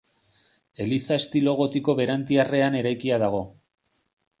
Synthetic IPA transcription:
e̞lisae̞st̪ilo̞ɣ̞o̞t̪iko̞βe̞ɾant̪iare̞ane̞ɾajkiað̞aɣ̞o̞

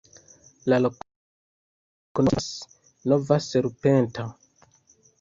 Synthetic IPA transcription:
lalo | konos | novaseɾupenta

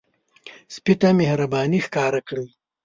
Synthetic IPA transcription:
spit̪amehɾabɑːnixkaːɾakɽi

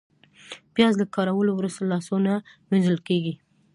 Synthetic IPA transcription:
pjɑzlakɑɾawəlowɾust̪alɑsonaminzəlkeɡi

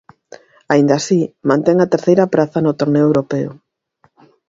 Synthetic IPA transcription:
aind̪asimãnt̪eŋɐt̪eɾθejɾɐpɾaθɐnʊt̪oɾneoewɾopeʊ̰

